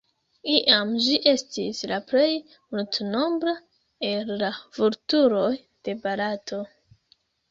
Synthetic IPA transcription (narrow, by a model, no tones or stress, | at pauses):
iʔamʒiʔe̞stislaple̞j | multno̞mbɾa | elːav̥uɾtuɾo̞j | d̥e̞balatʰo̞